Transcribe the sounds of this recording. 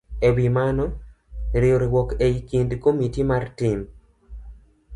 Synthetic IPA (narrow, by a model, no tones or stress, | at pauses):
ewimanɔ | ɾioɾiwɔkeikindkomitimartim